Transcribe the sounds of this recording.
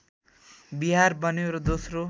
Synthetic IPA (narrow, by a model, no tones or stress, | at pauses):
biɦarbʌnjoɾʌd̪osro